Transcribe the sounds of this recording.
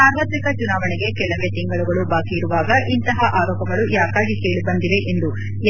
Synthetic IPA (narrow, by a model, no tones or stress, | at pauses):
aːɾʋat̪ɾikɐt͡ʃunaːʋɐɳiɡe̞kɛɭɐʋeːt̪iŋɡɐɭuɡɐɭubaːkiːɾuʋaːɡɐʔint̪ɐɦɐʔaːɾɔːpɐɡɐɭujaːkaːɡikeːɭibɐnd̪iʋe̞ʔend̪u